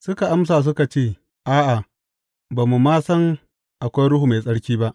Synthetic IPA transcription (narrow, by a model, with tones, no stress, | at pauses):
sʊ˦ka˨ʔa˦ms̬aː˨s̬ʊ˦ka˨t͡ʃeː˦˨ | ʔaː˦ʔa˨ | baː˨mu˨maː˦sɐ˦ŋ | ʔa˨kʷa˦jɽʊ˦hu˨ma˨jsʼɐ˦ɽkʲiː˦ba˦ʔ